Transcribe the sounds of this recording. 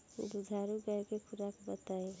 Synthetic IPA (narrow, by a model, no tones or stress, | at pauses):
d̪ud͡ʒʱaɾuɡɛɾkepʰuɾakbət̪ae